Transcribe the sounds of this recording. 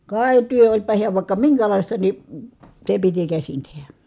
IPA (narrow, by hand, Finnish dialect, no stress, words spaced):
kɑˑi̯ tyø olʲpɑ hiæʋ ʋɑˑi̯kːɑ miŋkælɑˑistɑ ni se piti kæsin tehæ